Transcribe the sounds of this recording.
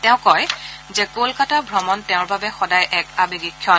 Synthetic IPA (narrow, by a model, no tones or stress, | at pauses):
tɛ̃ʊ̃kɔjzɛkolkatabʱɹɔmɔntɛ̃ʊ̃ɹbabɛxɔdajʔɛkabiɡikʰːjɔn